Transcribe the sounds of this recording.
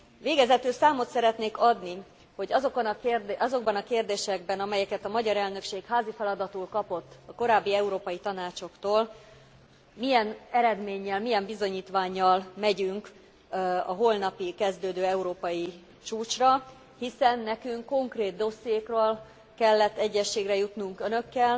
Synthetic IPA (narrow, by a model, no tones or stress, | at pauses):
ʋeːɡɛzɛt̪ylsaːmo̞t̪sɛɾɛt̪neːkɒd̪ni | ho̞ɟɒzokonkrd̪ʔɒzo̞ɡ̚bɒnɒkeːrd̪eːʃɛɡbɛnɒmɛjɛkɛt̪ɒmɒɟɒɾɛlnø̞kʃeːkhaːzifɛlɒd̪ɒt̪ulkɒpo̞t̪ːɒko̞ɾaːbːiɛuɾoːpɒjit̪ɒnaːt͡ʃo̞kt̪oːl | mijɛnɛɾɛd̪meːɲːɛlmijɛmbizo̞ɲiːt̪ʋaːɲːɒlmɛɟyŋk | ɒɦo̞lnɒpikɛzd̪øːd̪øːɛuɾoːpɒji | t͡ʃuːt͡ʃrɒ | hisɛnːɛkyŋkːo̞ŋkreːd̪̚d̪o̞sijeːkrøːl | kɛlːɛt̪ːɛɟːɛʃːeːɡrɛjut̪nuŋkønø̞kːɛl